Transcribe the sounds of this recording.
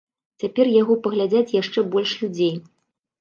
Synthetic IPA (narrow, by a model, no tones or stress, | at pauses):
t͡sʲapʲɛrjaɣɔpɐɣlʲad͡zʲat͡sʲjaʂt͡ʂɛbɔlʲʂlʲud͡zʲej